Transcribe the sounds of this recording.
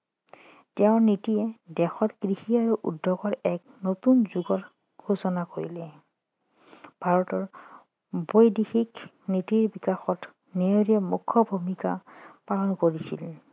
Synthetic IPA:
tɛʊ̃nitiɛdɛxɔtkɹixiaɹuʔṵdʱːɔɡɔɹɛk̚ | notunzuɡɔt | ɡ̥ʱusɔnakoɹḭlɛ | b̥ʱaɹɔtɔɹ | bojdixik | nitiɹbikaxɔt | neɹiɔmukʰːɔbʱumikapalɔnkoɹisḭl

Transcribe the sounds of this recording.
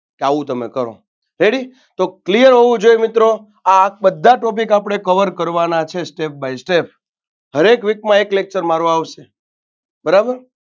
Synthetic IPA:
keaʋũt̪əmḛkəɾo̰ | ɾeɽi | t̪oklijəɾɦoʋũd͡ʒojmɪt̪ɾo | ak̚bəd̪ʱːaʈɔp̬ikapɽ̃ekəʋəɾkəɾʋanat͡ʃʰesʈep̚bajsʈep̚ʰ | ɦəɾekʋikmãeklek̚t͡ʃəɾmaɾoaʋʃe | bəɾabəɾ

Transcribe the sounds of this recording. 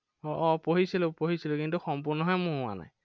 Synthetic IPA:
ɔʔɔpoɦisilʊpoɦisilʊkintuxɔmpʊɹnɔɦɔjmʊɦʊa̰na̰j

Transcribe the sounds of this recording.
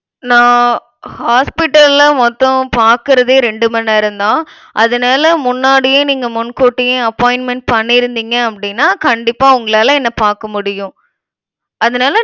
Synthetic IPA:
nãː | haːspɪʈːɐllɐmɔt̪ːɔ̃paːɾkɯɾɐðeːɾɛɳɖɯmɐnːɐɪɾɯnd̪ãː | ʔɐðɐnaːlɐmʊnːaːɽɪjẽːniːŋɡɐmʊnkoːʈːɪjẽɐpːoːɪnmɛɳʈ̚pɐɳːɪɾɯnd̪iːŋɡɐɐpːɐɽɪnːaːkɐɳɖɪpːaːʊŋɡɐɭaːlɐ̃ɛnːɐpaːɾkɐmʊɽɪjʊ̃ | ɐðɐnaːlɐ

